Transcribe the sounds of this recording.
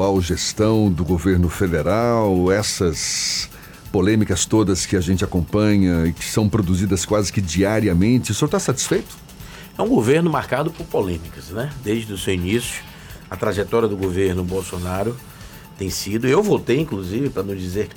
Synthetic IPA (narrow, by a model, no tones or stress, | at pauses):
awʒest̪ɐ̃w̃d̪ʊɡoveɾnʊfed̪eɾawɛsɐs | polẽmikɐst̪od̪ɐskɪaʒẽnt͡ʃɪakõpɐ̃ɲɐɪkɪ̥sɐ̃w̃pɾod̪uzid̪ɐskwazɪkɪd͡ʒiaɾiɐmẽnt͡ʃɪsot̪asat͡ʃi̥sfejt̪ʊ̥ | ɛũɡoveɾnʊmaɾkad̪ʊpʊɾpolẽmikɐsnɛd̪ejʒd͡ʒɪd̪ʊsewinisjʊ̥ | ɐt̪ɾaʒɛt̪ɔɾiɐd̪ʊɡoveɾnʊbowsonaɾʊ | t̪ẽj̃sid̪ʊewvowt̪ejĩŋkluzivɪpɾɐnɐ̃w̃d͡ʒizeɾk